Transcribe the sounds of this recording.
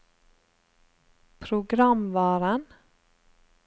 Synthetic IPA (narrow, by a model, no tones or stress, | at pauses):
pʰɾʊɡɾɑmʋɑːɾən